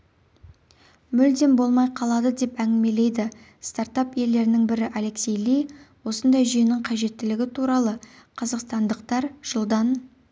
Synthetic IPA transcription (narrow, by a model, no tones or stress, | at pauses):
mʏld̪e̞nbo̞lˠmɑjqʰɑlˠɑd̪əd̪e̞pæŋɡʲɪme̞le̞jd̪ɪ | st̪art̪ɑpe̞ld̪e̞ɾɪnɪŋbɪɾɪʔale̞ksʲejlijwo̞sənd̪ɑjʒʏjnɪŋqʰɑʒe̞t̪ːɪlɪɡʲɪt̪ʰuɾɑlˠəqʰɑzɑqst̪ɑnd̪əqt̪ɑɾʒ̥əlˠd̪ɑn